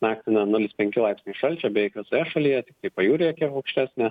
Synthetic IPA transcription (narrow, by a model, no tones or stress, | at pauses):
mɑːkt̪ʲɪnɐnʊlʲɪspʲɛŋʲkʲɪlˠɐɪpʲsʲnʲɪʃɐlʲt͡ʃʲɛbʲɛjɪkʋʲɪsoːjɛʃɐlʲijɛt̪ʲɪk̚t̪ɐɪpɐjuːɾʲeɐkʲiɛɐʊkʃʲt̪ʲæːsʲnʲɛ